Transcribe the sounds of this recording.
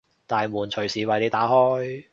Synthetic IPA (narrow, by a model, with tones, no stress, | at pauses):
t̪aː˨jmuː˨˩nt͡ʃʰɵ˨˩ɥsiː˨wɐ˨jle˨˧jt̪aː˨˥hɔː˥j